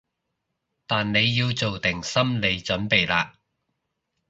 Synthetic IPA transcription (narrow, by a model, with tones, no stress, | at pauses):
t̪aː˨nne˨˧jːiː˧wt͡so˨wt̪ɪ˨˩ŋsɐ˥mle˨˧jt͡ʃɵ˨˥npe˨jlaː˧